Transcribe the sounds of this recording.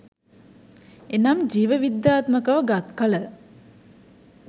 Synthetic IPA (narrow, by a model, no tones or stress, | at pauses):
enamd͡ʒiːʋəʋid̪jaːt̪məkəʋəɡat̪kalə